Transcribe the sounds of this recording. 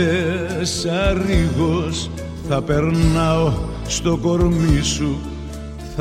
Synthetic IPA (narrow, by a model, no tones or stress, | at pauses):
esɐɾiɣos | θɐpeɾnɐo | st̪o̞ko̞ɾmisu | θ